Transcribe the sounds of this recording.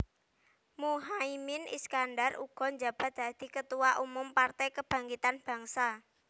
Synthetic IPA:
muɦaimɪnḭskanɖarṵɡ̥ɔ̤ɲd͡ʒab̥a̤t̪̚d̥a̤d̪̥i̤kət̪uwaʔumʊmpart̪ɛjkəb̥ä̤ŋɡit̪anb̥ä̤ŋsa

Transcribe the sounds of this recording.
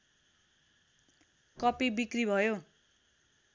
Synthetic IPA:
kʌpibikribʱʌjo

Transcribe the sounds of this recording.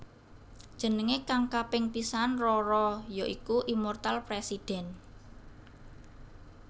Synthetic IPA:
d̥ʒ̥ə̤nəŋekaŋkapɪŋpisanrɔɾɔjoʔikuʔimɔrt̪alpɾesid̥ɛ̤n

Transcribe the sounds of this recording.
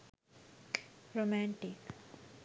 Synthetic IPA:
ɾomæ̃ɳʈik

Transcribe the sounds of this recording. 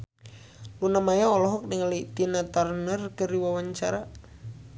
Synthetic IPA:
lunamajaɔlɔɦɔk̚dəŋalit̪inat̪arnərkəɾiwawaɲt͡ʃaɾa

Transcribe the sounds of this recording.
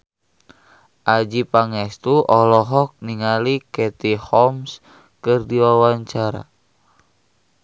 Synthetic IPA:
ʔad͡ʒipaŋɛst̪uʔɔlɔɦɔk̚niŋalikɛt̪ihɔms | kɨrdiwawaɲt͡ʃaɾa̰

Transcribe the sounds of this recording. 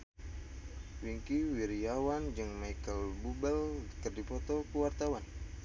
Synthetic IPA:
wiŋkiwiɾiawand͡ʒɨŋmajkəlbubɛlk̪ərdipɔt̪ɔkuwart̪awan

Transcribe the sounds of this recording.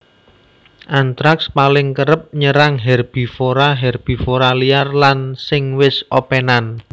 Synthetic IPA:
ʔant̪ɾakspalɪŋkəɾəp̚ɲəɾaŋɦɛrb̥i̤foɾaɦɛrb̥i̤foɾaliarlansɪŋwɪsopenan

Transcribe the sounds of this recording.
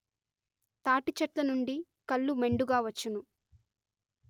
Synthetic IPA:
t̪aːʈit͡ʃɐʈlɐnuɳɖi | kɐɭːume̞ɳɖuɡaːʋɐt͡ʃːunu

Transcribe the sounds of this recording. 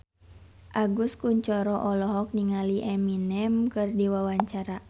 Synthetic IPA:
ʔaɡuskuɲt͡ʃɔɾɔʔɔlɔɦɔk̚niŋaliʔɛminɛmkɨrdiwawaɲt͡ʃaɾa

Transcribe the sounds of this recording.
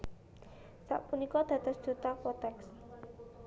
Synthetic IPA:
sa̰ʔpunikɔd̪̥ä̤t̪ɔsd̥ʒ̥ut̪apɔt̪ɛks

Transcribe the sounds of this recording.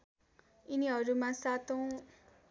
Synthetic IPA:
iniɦʌɾumãsat̪ʰow̃

